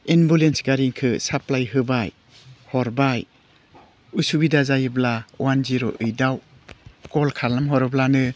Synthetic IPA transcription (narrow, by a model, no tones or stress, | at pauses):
enbulensɡaɾiŋkʰɯsaplajɦɯbaj | hɔɾbaj | usubidazajɯblawanziɾɔ̰ʔɯjdaw | kɔlkʰalnamɦɔɾɯblanɯ